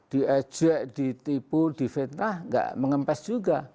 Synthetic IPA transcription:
d̥i̤ɛ̥d͡ʒ̥uɛʔd̪̥it̪ipud̥i̤fet̪nahŋɡa̰ʔməŋəmpɛsd͡ʒuɡa

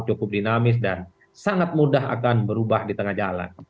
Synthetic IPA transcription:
t͡ʃukʊp̚dinamɪs̬dan | saŋat̪̚mudaɦa̰kanbəɾubahdit̪əŋahd͡ʒala̰n

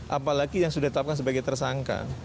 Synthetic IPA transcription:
ʔa̰palaɡijaŋsudaht̪əlapkans̬əbaɡajt̪ərsaŋka̰

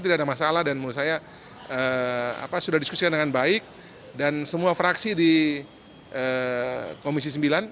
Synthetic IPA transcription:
t̪̬idadamasalahdanmausaja | əa̰pasudahdiskusikandəŋanbaɪk̚ | dansəmuafɾaksidi | ʔə | komis̬isəmbilan

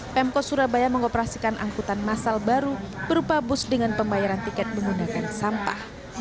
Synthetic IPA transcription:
pɛmkɔsuɾabajaməŋopəɾasikanʔa̰ŋkut̪anmasalbaɾu | b̥əɾupabʊsdəŋanpəmbajaɾant̪ikɛt̪̚məŋɡunakansampa̰h

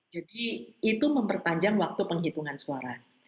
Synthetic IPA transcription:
d͡ʒadiːt̪uməmpərt̪aɲd͡ʒaŋwak̚t̪upəŋɦit̪uŋansuaɾa

